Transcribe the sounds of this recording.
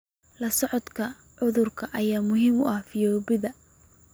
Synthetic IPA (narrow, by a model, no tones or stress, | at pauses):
lɐsɔʕɔd̪kʰɐ | ʕʊðʊrkʰɐʔɐjaːmʊɦiːmʊ̰ʔɐhfɪjɔːβɪðɐ